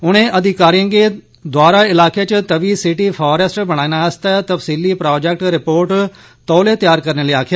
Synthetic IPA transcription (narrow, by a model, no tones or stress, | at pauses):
ʊɽ̃ẽːʔəd̪ʱɪkaːɾiə̃ŋɡeː | d̪waːɾaːɪlaːket͡ʃət̪əʋiːsɪʈiːpʰɔːɾəsʈbəɽ̃aːinaːəst̪at̪əfsiːliːpɾɔːd͡ʒɛk̚ʈɾɪpoːɾʈ | t̪ɔːleːt̪ɪjaːɾkəɾneːliːaːkʰjaː